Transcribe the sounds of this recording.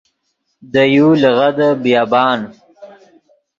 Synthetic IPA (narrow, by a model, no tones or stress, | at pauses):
d̪əjulɣad̪əbjaːbɑːn